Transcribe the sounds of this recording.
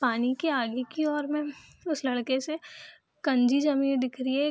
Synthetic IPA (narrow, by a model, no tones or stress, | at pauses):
paːnikeaːɡikiɔːɾmẽʊslɐɽkese | kɐ̃ɲd͡ʒid͡ʒɐmĩːnd̪ɪkʰɾiɛ